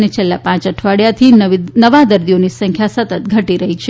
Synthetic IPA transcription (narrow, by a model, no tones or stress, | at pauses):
net͡ʃʰelːapãt͡ʃəʈʰʋaɽjat̪ʰininəʋad̪əɾd̪ionisəŋkʰjasət̪ət̪̚ɡʱəʈiɾəɦit͡ʃʰe